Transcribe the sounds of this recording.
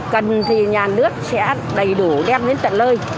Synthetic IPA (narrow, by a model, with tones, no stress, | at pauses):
kə˨˩nt̪ʰi˨˩ɲaː˨˩nɨ˦˥ək̚sɛ̰˧˥ | ɗə˨˩jɗu˧˩˦ɗɛ˧m̚ɗe˨˦nt̪ə̰˧˨nləː˧j